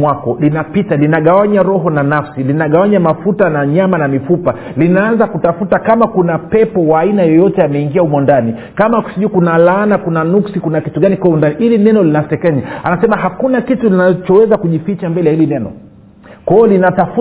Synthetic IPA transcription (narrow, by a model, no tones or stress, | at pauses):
wakɔlinapitalinaɠawaɲaɾɔɦɔnanafsilinaɠawaɲamafutanaɲamanamifupa | linaanzakutafutakamakunapɛpɔwaːinajɔjɔtɛamɛiŋɡiaumɔndanikamaku̥siʄukunalaːnakunanuksikunakituɠanikwaundaniʔilinɛnɔlinasɛkɛɲaanasɛmaɦakunakitulinat͡ʃɔwɛzakuʄifit͡ʃambɛlɛjahilinɛnɔ̰ | kwɔɔlinatafu